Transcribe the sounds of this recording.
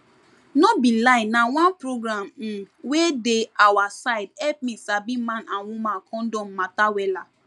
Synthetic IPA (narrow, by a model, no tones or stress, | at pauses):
nɔbĩlaɪnnawãnpɹoɡɹãm̩wedeawasaɪdhɛp̚mĩsabĩmãnãnwũmãnkʰɔ̃ndɔ̃mːatawɛla